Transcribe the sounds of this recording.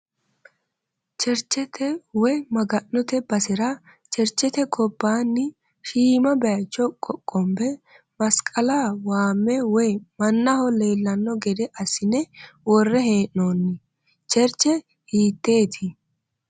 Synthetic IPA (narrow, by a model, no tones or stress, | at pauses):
t͡ʃɛɾt͡ʃːɛt̪ʰɛwɔjmɐɡɐnːʊt̪ɛbɐsɛɾɐ | t͡ʃɛɾt͡ʃːɛt̪ɛɡɔbːaːnːɪ | ʃiːmɐbɛɐjt͡ʃːɔkʼɔkʼːɔmbɛ | mɐskʼɐlawaːmːɛwɔjmɐnːɐhɔle̞ːlːɐnːɔɡɛd̪ɛʔɐsɪnɛwɔrːɛheːʔːoːnːɪ | t͡ʃɛɾt͡ʃːɛ | hiːt̪ːe̞ːt̪ʰɪ